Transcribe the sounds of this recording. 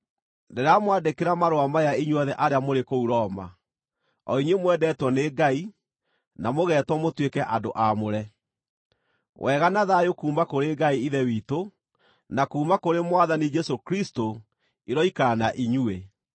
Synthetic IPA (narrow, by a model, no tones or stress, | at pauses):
ndɛɾamwadekeɾamaɾoamajaiɲwɔðɛʔaɾeamoɾekouɾɔma̰ | ɔiɲwemwɛdɛːtwɔneːɡai | namoɣɛːtwɔmotwekɛʔadoʔamoɾɛ | wʔɛɣanaðajokuːmakoɾeɡaiiðɛwito | nakuːmakoɾemwaðanid͡ʒɛsokɾisto | iɾɔikanaʔiɲue